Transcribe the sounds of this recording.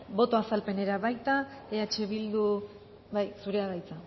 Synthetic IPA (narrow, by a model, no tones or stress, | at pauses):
bo̞t̪o̞asalpe̞ne̞ɾaβajt̪aeat͡ʃe̞βild̪u | bajsuɾe̞aðajt͡sa